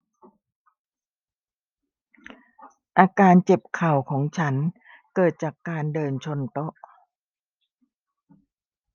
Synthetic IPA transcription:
ʔaː˧kaː˧nt͡ɕe˨˩p̚kʰa˨˩wkʰɔː˩˦ŋt͡ɕʰa˦˥nkɤː˨˩t̪̚t͡ɕaː˨˩kːaː˧ndɤː˧nt͡ɕʰo˧nt̪o˦˥ʔ

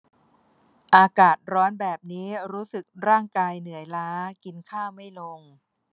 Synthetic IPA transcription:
ʔaː˧kaː˨˩t̪̚ɾɔː˦˥nbɛː˨˩p̚niː˦˥ɾuː˦˥sɯ˨˩k̚ɾaː˥˩ŋkaː˧jnɯ˨˩˦əjlaː˦˥ki˧nkʰaː˥˩ma˥˩jlo˧ŋ

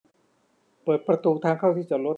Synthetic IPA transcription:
pəɤː˨˩t̪̚pɾa˧t̪uː˧t̪ʰaː˧ŋkʰa˥˩wt̪ʰiː˥˩t͡ɕa˨˩lo˦˥

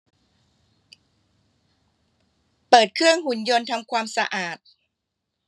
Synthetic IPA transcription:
pɤː˨˩t̪̚kʰɾɯ˥˩əŋhu˨˩˦njo˧nt̪ʰa˧mkʰwaː˧msa˧ʔaː˨˩t̪̚

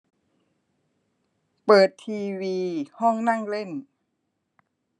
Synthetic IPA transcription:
pɤː˨˩t̪ʰːiː˧wiː˧hɔ˥˩ŋna˥˩˨ŋle˥˩n

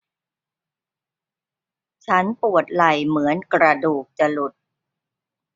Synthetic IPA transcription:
t͡ɕʰa˦˥npu˨˩ət̪̚la˨˩jmɯ˩˦ənkɾa˧duː˨˩k̚t͡ɕa˨˩lu˨˩t̪̚

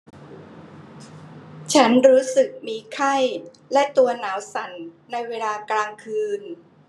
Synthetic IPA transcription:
t͡ɕʰa˦˥nɾuː˦˥sɯ˨˩k̚miː˧kʰa˥˩j | lɛ˦˥t̪u˧ɐnaː˩˦wsa˨˩˦nː | a˧jweː˧laː˧klaː˧ŋkʰɯː˧n

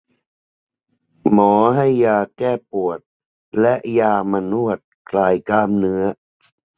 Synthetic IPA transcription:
mɔː˩˦ɦa˥˩jːaː˧kɛː˥˩pu˨˩ət̪̚ | lɛ˦˥ʔjaː˧ma˧nu˥˩ət̪̚kʰlaː˨˧˩jkaː˧mnɯ˦˥ɐ

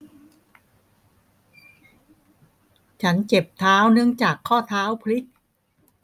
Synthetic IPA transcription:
t͡ɕʰa˦˥nt͡ɕe˨˩p̚t̪ʰaː˦˥wnɯ˥˩əŋt͡ɕaː˨˩kʰːɔː˥˩t̪ʰaː˦˥wpʰli˦˥k̚

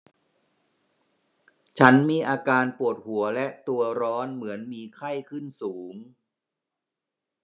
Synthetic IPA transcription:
t͡ɕʰa˦˥nmiː˧ʔaː˧kaː˧npu˨˩ət̪̚hu˩˦ɐlɛ˦˥ʔt̪u˧ɐɾɔː˦˥nmɯ˩˦ənmiː˧kʰa˥˩jkʰɯ˥˩nsuː˩˦ŋ

